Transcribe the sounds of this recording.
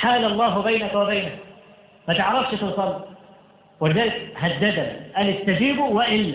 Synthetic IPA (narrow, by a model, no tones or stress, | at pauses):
ħaːlalˤːɑːɦʊbajnakwabajnak̚ | mat̪ɪʕɾˤɑfʃɪt̪ʊsˤɑlː | wɪlɪzaːlɪkhad̪ːad̪anḭʔaːlɪt̪ːad͡ʒiːbuwɪʔɪlːa